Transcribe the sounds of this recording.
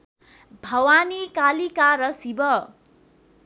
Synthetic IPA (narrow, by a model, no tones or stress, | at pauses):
bʱʌwanikalikaɾʌsibʌ